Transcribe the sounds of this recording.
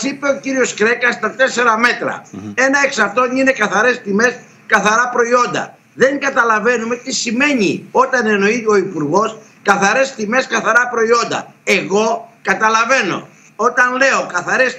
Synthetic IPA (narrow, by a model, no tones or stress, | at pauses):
sipe̞ociɾio̞skɾe̞kɐst̪ɐt̪e̞se̞ɾɐme̞t̪ɾɐ̰e̞nɐeksɐɾt̪o̞ɲine̞kɐθɐɾe̞st̪ime̞s | kɐθɐɾɐpɾo̞io̞nd̪ɐ̰ | ðe̞ŋɡɐt̪ɐlɐve̞nume̞t̪isime̞ɲio̞t̪ɐneno̞io̞ipuɾɣo̞s | kɐθɐɾe̞st̪ime̞skɐθɐɾɐpɾo̞io̞nd̪ɐ̰e̞ɣo̞kɐt̪ɐlɐve̞no̞̰ | o̞t̪ɐnle̞o̞kɐθɐɾe̞s